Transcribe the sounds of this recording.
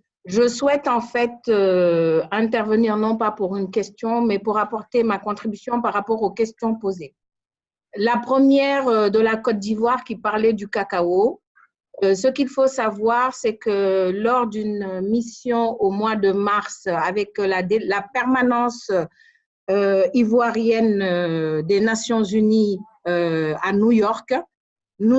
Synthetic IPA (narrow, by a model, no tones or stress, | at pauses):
ʒəswɛt̪ɑ̃fɛt̪ø | ɛ̃t̪ɛʁvəniʁnɔ̃papuʁynkʲɛst̪jɔ̃mɛpuʁapɔʁt̪emakɔ̃t̪χibysjɔ̃paʁːapɔʁokʲɛst̪jɔ̃poze | lapχəmjɛʁød̪əlakɔt̪̚d̪ivwaʁkʲipaʁlɛd̪ykakao | səkʲilfosavwaʁsɛkəlɔʁd̪ynmisjɔ̃omwad̪əmaʁsavɛklad̪elapɛʁmanɑ̃s | øivwaʁjɛn | d̪enasjɔ̃zyni | øanujɔʁk | nu